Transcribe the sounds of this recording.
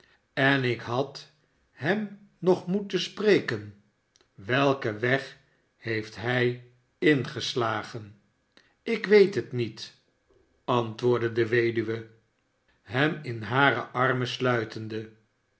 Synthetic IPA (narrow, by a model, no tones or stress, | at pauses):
ɛnɪkɦɑt | ɦɛm | nɔχmutəsprejkən | ʋɛlˠkəʋɛχ | hejftɦɛj | ɪnχəslaːχən | ɪkʋejtɦətnit | ɑntʋʊːɹdədəʋejdyʋə | ɦɛmɪnɦaːɾə̰ʔɑrməslœɥtəndə